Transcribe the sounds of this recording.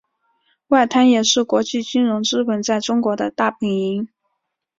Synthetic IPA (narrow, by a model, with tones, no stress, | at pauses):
wa˥˩ɪt̪ʰa˥njɛ˨˩ʂɻ̩˥˩kwɔ˧˥t͡ɕi˥˩t͡ɕy˥nɻʊ˧˥ŋʈ͡ʂɻ̩˥pə˧˩nt͡sa˥˩ɪʈ͡ʂʊ˥ŋkwɔ˧˥d̪ə˧t̪a˥˩pʰi˧˥ŋi˧˥ŋ